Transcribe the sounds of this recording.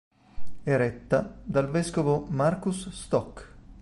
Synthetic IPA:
ɛɾɛt̪ːad̪alvɛskovomarkusːt̪ɔkː

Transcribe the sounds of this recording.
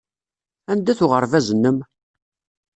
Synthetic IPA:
ænd̪æθʊʁəɾˤvæzənːəm

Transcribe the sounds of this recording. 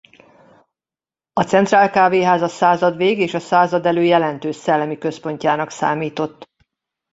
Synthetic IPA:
ɒt̪sɛnt̪raːlkaːveːɦaːzɒsaːzɒd̪ʋeːɡeːʃɒsaːzɒd̪ɛløːjɛlɛnt̪øːʃsɛlːɛmikø̞spo̞ɲcaːnɒksa̰ːmiːt̪o̞t̪ː

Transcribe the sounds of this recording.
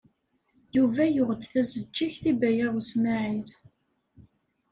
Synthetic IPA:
juvæjʊʁəd̪θæzəd͡ʒːiçθibæjaʁusmaʕiɾ

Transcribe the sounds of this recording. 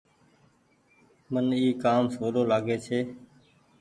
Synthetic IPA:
məniːkaːmsoːloːlaːɡeːt͡ʃʰeː

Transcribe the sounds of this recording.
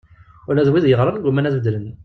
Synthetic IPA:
ʊɾlæðwiðjəʁɾˤənɡumːænæθvəd̪ːlən

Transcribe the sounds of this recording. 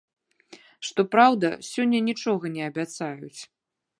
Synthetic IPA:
ʂt̪ɔpɾawd̪ɐsʲɔnʲːɐnʲit͡ʂɔɣɐnʲɛɐbʲat̪sajut͡sʲ

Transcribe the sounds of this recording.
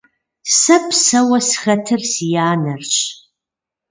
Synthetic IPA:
sɐpʰsɐwɐsxɐtʰɨrsijaːnɐrɕʼ

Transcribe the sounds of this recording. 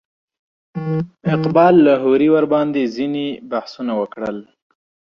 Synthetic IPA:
ɪqbɑlːaɦoɾiwaɾbɑnd̪ezinebahsunawəkɽəl

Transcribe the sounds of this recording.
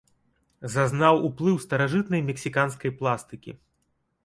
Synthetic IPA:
zaznawuplˠɨwst̪ɐɾaʐɨt̪̚nɐjmʲɛksʲikanskɐjplˠast̪ɨkʲḭ

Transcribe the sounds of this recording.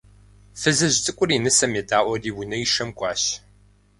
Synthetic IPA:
fɨzɨʑt͡sʼɨkʷʼʊriːnɨsɐmeːdaːʔʷɔdiːwʊnɐiʃɐmkʷʼɑːɕ

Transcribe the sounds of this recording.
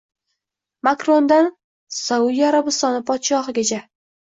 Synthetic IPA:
makɾo̞nd̪an | saʊjaɾabɪst̪ɒnɪpʰɒt̪ʃɒɦɨɡʲat͡ʃʰa

